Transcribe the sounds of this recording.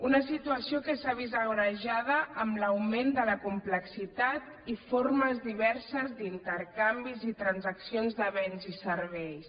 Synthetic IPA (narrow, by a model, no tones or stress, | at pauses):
unəsit̪uəsiokəsaβizəɣɾəʒað̞əʔːmləwmend̪ələkumpləksit̪at̪ | iforməzðiβɛɾsəzd̪int̪əɾkambizit̪ɾənzəksionzðəβɛnzisəɾβɛjs